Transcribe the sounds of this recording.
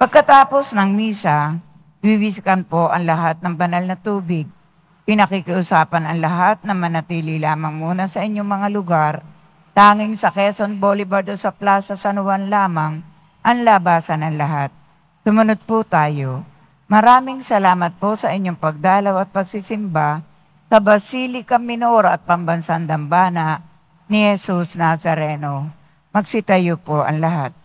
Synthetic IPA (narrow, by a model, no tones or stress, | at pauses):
pɐɡ̚kɐt̪aːpo̞snɐŋmiːsɐ | biwɪskɐnpo̞ʔɐŋlɐɦat̪̚nɐŋbɐnalnɐt̪uːbɪɡ̚ | pɪnɐkɪkɪʔʊsaːpɐnɐŋlɐɦat̪̚nɐmɐnɐt̪iːlɪlaːmɐŋmuːnɐsɐʔɪɲːoŋmɐŋalʊɡaɾ | t̪aːŋɪŋsɐkɛsonbolɪbɐɾd̪osɐplaːsɐsɐnʊwanlaːmɐŋ | ʔɐŋlabaːsɐnɐŋlɐɦat̪̚ | sʊmɐnod̪̚pʊt̪aːjo | mɐɾaːmɪŋsɐlaːmɐt̪̚posɐʔɪɲːoŋpɐɡ̚d̪aːlɐwɐt̪̚pɐɡ̚sɪsɪmba | sɐbɐsiːlɪkɐŋmːɪnoːɾoʔɐt̪̚pɐmbɐnsand̪ɐŋbaːnɐʔ | nɪhɛsusnasɐɾɛno | mɐɡsɪt̪ɐjopoʔɐ̰ŋlɐɦat̪̚